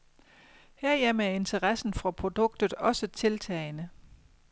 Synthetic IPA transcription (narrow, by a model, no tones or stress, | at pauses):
heɐ̰jem̰æɐe̝nt͡sʰəʁɑsn̩fʁɑ̈pʰʁo̝d̥ɔ̽ɡ̥̚d̥ð̩ˠɒ̽sət͡sʰe̝lt͡sʰɛ̰ːɪnə